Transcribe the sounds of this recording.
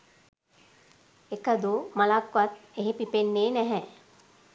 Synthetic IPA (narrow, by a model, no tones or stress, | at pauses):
ekəd̪umalakʋat̪eɦepipenːeːnɛɦɛ